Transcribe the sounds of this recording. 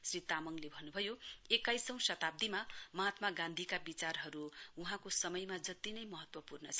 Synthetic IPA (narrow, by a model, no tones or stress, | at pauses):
srit̪amʌŋlebʱʌnːubʱʌjoekajsʌ̃w̃sʌt̪ab̚d̪imamʌɦat̪maɡãnd̪ʱikabit͡sarɦʌɾuuɦãkosʌmʌjmad͡zʌt̪inʌjmʌɦʌt̪wʌpurnʌt͡sʰʌ